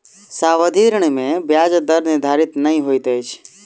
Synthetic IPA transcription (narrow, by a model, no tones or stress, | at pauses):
saːʋəd̪ʱiːɾəɽ̃mẽbjaːd͡ʒd̪əɾnɪd̪ʱaːɾɪt̪nɐɦĩɦoit̪eːt͡ʃʰ